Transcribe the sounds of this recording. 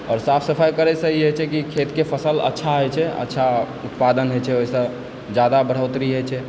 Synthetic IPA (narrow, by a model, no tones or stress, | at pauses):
ɔːɾsapʰsəpʰajkəɾɛsə̃iɦot͡ʃʰɛkikʰet̪kepʰəsələ̰tːʃʰaɦojt͡ʃʰɛə̰tːʃʰa | ut̪pad̪ənɦot͡ʃʰɛoɦisə̃ | d͡ʒjad̪abəɽ̤əwt̪ɾiɦojt͡ʃʰɛ